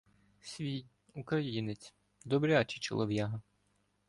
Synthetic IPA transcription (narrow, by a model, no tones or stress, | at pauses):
sʲʋʲij | ukɾɐjinet͡sʲ | d̪ɔbɾʲat͡ʃit͡ʃɔ̰lˠɔʋʲjaɦɐ